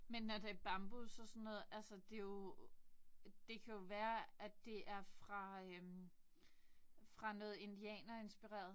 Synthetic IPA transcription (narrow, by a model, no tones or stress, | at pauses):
menːɒd̥e̝æɐb̥ɑ̈mb̥usɒ̽sɔ̽nːɔ̽ːð̩ˠælsəd̥e̝jo̝ | d̥e̝kʰæjo̝ʋæːɐæd̥e̝ʔæɐfʁɑ̈øm | fʁɑ̈nɔ̽ːð̩ˠe̝nd̥iɛ̰ːnɐe̝nsb̥iʁa̰ːɐðˠ